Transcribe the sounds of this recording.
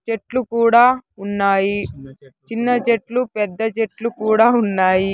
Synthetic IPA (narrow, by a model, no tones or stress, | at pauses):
t͡ʃeʈlukuːɽaːunːaːjit͡ʃinːɐt͡ʃeʈlupɛd̪ːɐt͡ʃeʈlukuːɽaːunːaːji